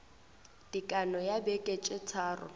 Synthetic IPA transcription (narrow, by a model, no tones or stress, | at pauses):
d̥ikʼanɔjabɛkʼet͡ʃʼɪt͡sʰaːrɔ̰